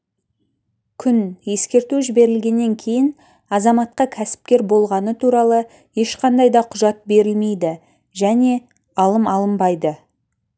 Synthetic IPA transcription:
kʲʰʏnje̞skʲe̞ɾt̪uʒɪbe̞ɾɪlɡʲe̞nːe̞ŋkʲʰe̞jɪn | ɑzɑmɑt̪̚qɑkʲʰæsɪ̥p̚kʲe̞ɾbo̞lˠʁɑnət̪ʰuɾɑlˠə | je̞ʃqʰɑnd̪ɑjd̪ɑqʰʊʒɑt̪̚be̞ɾɪlme̞jd̪ɪ | ʒæne̞ | ɑlˠəmɑlˠəmbɑjd̪ə

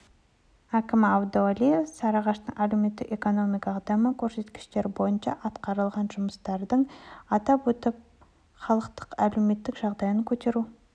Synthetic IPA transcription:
ækʲɪmɑwd̪olijefsɑɾɑʁɑʃt̪əɴʔælewme̞t̪ːɪ̰ke̞ko̞no̞mijkɑd̪ɑməkʲʰɵɾse̞t̪kʲɪ̥ʃt̪e̞ɾbo̞jənʃɑ̰ʔɑt̪qɑɾəlˠʁɑnʒʊməst̪ɑɾd̪əɴɑt̪ɑpwɵt̪ɪp̚ | χɑlˠəqt̪ə̥qæleme̞t̪ːɪkʒ̥ɑʁd̪ɑjəŋkʲʰɵt̪e̞ɾu

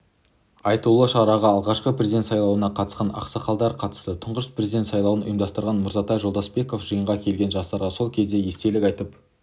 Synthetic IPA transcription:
ɑjt̪ulˠəʃɑɾɑʁɑːlˠʁɑʃqəprʲezid̪et̪sɑjlˠɑwənɑqʰɑt̪əsqɑnɑ̰qsɑqɑlˠd̪ɑɾqʰɑt̪ə̥st̪ət̪ʰʊɴʁəʃspre̞zid̪e̞nt̪sɑjlˠɑwənʊ̰jəmd̪ɑst̪əɾʁɑnmʊɾzɑt̪ɑjʒo̞lˠd̪ɑsbe̞ko̞fʒəjəɴʁɑkʲʰe̞lɡʲe̞nʒɑst̪ɑɾʁɑso̞lˠkʲʰe̞zd̪e̞je̞st̪e̞lɪkʲɑjt̪əp

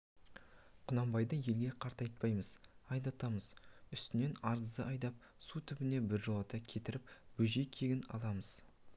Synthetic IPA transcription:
qʰʊnɑmbɑjd̪əje̞lɡʲe̞qʰɑɾt̪ɑjt̪̚pɑjməz̥ɑjd̪ɑt̪ɑməzʏst̪ɪne̞nɑɾəzd̪əɑjd̪ɑp̚ | sut̪ʰʏbɪne̞bɪɾʒolˠɑt̪ɑkʲʰe̞t̪ɪɾɪpb̥ʏʒijkʲʰe̞ɡʲɪnɑ̰lˠɑməz̥

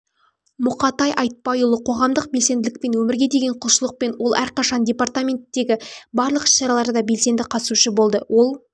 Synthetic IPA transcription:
mʊqɑt̪ɑjʔɑjt̪̚pɑjulˠəqʰo̞ʁɑmd̪əq̚be̞lse̞nd̪ɪlɪk̚pe̞nwɵmɪɾɡʲe̞d̪e̞ɡʲe̞ɴqʰʊlˠʃəlˠəq̚pe̞nwo̞lˠæɾqɑʃɑndʲe̞part̪amʲe̞nt̪ːe̞ɡʲɪbɑɾlˠəqɪ̥ʃʃɑɾɑlˠɑɾd̪ɑbe̞lse̞nd̪ɪqʰɑt̪əsuʃəbo̞lˠd̪əwʔo̞lˠ

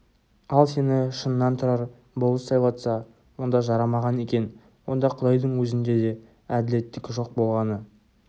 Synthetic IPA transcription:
ɑlˠse̞nɪʃənːɑnt̪ʰʊɾɑɾ | bolˠəsɑjbɑt̪sɑ | wo̞nd̪ɑʒɑɾɑmɑʁɑne̞kʲe̞n | wo̞nd̪ɑqʰʊd̪ɑjd̪əɴwɵzɪnd̪e̞d̪e̞ | æd̪ɪle̞t̪ːɪkʲʒo̞q̚bo̞lˠʁɑnə

